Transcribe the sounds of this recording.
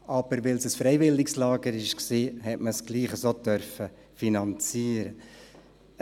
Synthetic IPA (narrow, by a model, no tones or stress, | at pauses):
ʔɑb̥əɾʋɪlsəsfɾɛɪvɪlːɪkslɑːɡəɾɪʃksiːɦɛtməsɡ̥liːχəsot̪œɾfə | finɑnt͡siːəɾə